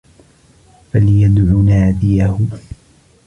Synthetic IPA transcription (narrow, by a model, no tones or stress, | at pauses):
falɪjad̪ʕʊnaːd̪ɪjahʊ